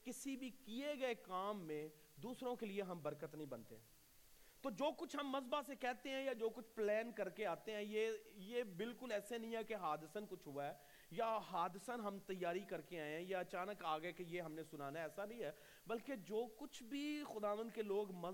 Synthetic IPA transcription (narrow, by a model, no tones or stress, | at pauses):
kɪsibʱikieɡɐekaːmːẽ | d̪uːsɾõkelieɦɐmbɐɾkət̪nəɦĩbɐnt̪eɦɛ̃ː | t̪oːd͡ʒoːkʊt͡ʃʰɦɐmːɐzbasekɛɦt̪eɦɛ̃jad͡ʒoːkʊt͡ʃʰplɛːnkɐɾkeaːt̪eɦɛ̃jejeːbɪlkʊlɛːsenɐɦĩɦɛkeɦaːd̪əsənkʊt͡ʃʰɦoaɦɛː | jaɦaːd̪ɪsənɦɐmt̪ɐjːaːɾikɐɾkeaːẽɦɛ̃jaɐt͡ʃaːnəkaːɡəekejeɦɐmnesʊnaːnaɛːsanɐĩɦɛː | bɐlked͡ʒoːkʊt͡ʃʰbʱixʊd̪aːʋə̃nd̪keloːɡmɐ